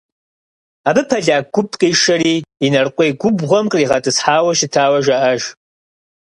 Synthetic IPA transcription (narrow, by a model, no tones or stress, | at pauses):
aːbɨpʰɐɮaːɡʷʊpʰʼqʼiːʂɐɾiːinɐrqʷʼejɡʷʊbʁʷɐmqʼriːʁɐtʼɨsħaːwɐʃɪtʰaːwɐʒaʔɐʒ